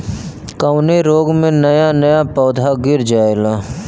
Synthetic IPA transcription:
kəʊneɾoːɡmẽnɐjanəjapɔːd̪ʱaɡɪɾd͡ʒaːelaː

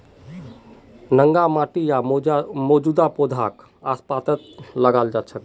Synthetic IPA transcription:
nəŋɡamaʈijamɔd͡ʒud̪apod̪ʱak | aspat̪ət̪ləɡald͡ʒat͡ʃʰək̪

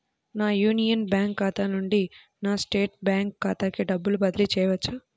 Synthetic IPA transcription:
naːjuːnijɐnbjaːŋkːaːt̪aːnuɳɖi | naːsʈeːʈ̚bjaːŋkːaːt̪aːkiɖɐbːulubɐd̪ilit͡ʃɛːjɐʋɐt͡ʃːa

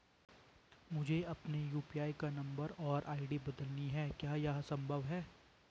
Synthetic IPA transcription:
mʊd͡ʒʱeɐpnejuːpijaːikanɐ̃mbəɾɔːɾʔaːɪɖibɐd̪əlniɦɛːkjaːjaːsɐ̃mbʱəʋɦɛː

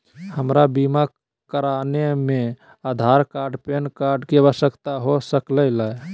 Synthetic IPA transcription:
həmɾabimak | kːəɾaneme | ad̪ʱaɾkaɾɖpenkaɾɖkeəbəsəkt̪aɦosəkləla

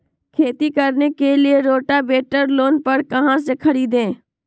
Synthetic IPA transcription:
kʰeːt̪ikɐɾnekelieɾoːʈabeːʈəɾloːnpɐɽkɐɦãs̬ekʰɐɽiːd̪ẽː

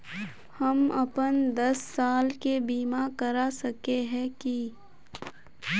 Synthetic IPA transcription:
hɐmɐpənd̪ɐsːaːlkebiːmakɐɾasɐkeɦɛ̃ki

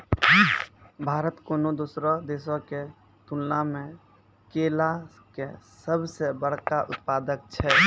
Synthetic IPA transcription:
bʱaːɾət̪koːnod̪uːsɾad̪eːsõke | t̪ulnamẽ | keːla | kesəbsebəɽ̤kaʔʊ̰t̪̚paːd̪ək̚t͡ʃʰɛː

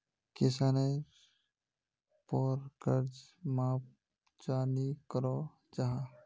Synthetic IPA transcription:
kesaːne | pɔːɾɡəɾd͡ʒmaːp | d͡ʒaːnikəɾo | d͡ʒaɦa

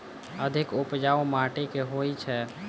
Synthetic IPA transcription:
əd̪ʱɪkʊpd͡ʒaːomaːʈekeɦoit͡ʃʰɛ

